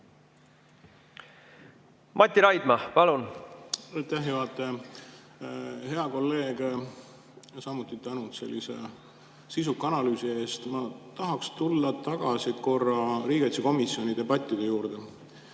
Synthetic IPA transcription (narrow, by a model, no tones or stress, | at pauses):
mʔɑt̪ʲːiɾɑjd̪̥mɑpɑlun | ɑjt̪æɦjuɑt̪ːˑe | ɦe̞ɑko̞lːe̞ːɡ̥ | sɑmut̪ːˑit̪ænut̪se̞̰lʲːise̞̰ | sisukːˑɑnɑlyːsie̞ːst̪mɑt̪ɑɦɑkst̪ulːɑt̪ɑɡ̥ɑsiko̞rːɑɾiːɡ̥et̪seko̞misjo̞nʲid̪e̞bɑt̪ʲːˑid̪̥e̞juːɾd̪̥e̞